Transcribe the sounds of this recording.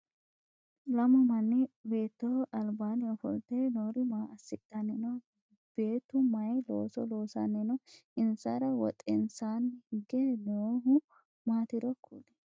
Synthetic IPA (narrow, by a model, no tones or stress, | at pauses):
lɐmɔmɐnːɪbe̞ːt̪ːoʔɐlbaːnɪɔfɔlt̪enoːɾɪmaːɐsɪkʼːɐnɛnɔ | b̥e̞ːt̪ːʊmɐjlo̰ːsɔloːsa̰nɛnɔɪnsɐɾɐwɔ̰t̪ʼɪnsaːnhɪɡenoːɦʊ | maːt̪ɪɾɔkʰːṵnɛ̥